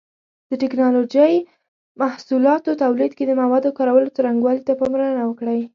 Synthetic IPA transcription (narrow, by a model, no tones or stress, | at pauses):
d̪̥əʈɪknɑlod͡ʒəj | mahsulɑt̪ot̪awlid̪̚ked̪əmawɑd̪okɑɾawəlot͡səɾaŋɡwɑlit̪apəmɾanawəkɽaj